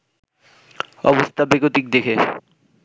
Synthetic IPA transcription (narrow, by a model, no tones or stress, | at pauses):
ɔ̰bost̪ʰabeɡot̪ik̚d̪ekʰe